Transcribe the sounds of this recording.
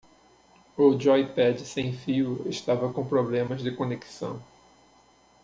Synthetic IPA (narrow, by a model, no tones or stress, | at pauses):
ud͡ʒajpɛd͡ʒɪsẽj̃fiʊeʃt̪avɐkõw̃pɾoblẽmɐzd̪ɪkoneki̥sɐ̰̃w̃